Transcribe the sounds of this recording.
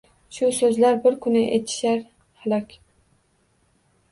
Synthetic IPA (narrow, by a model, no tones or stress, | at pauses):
ʃʊsɵzlaɾbɪɾkʰʊnɪʔet̪ʰɪ̥ʃaɾ | halɒkʲ